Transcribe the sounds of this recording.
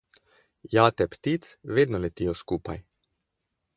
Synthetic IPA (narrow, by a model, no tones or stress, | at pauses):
jaːt̪ɛpt̪it̪sʋeːd̪nɔlɛt̪iːjɔskuːpa̰j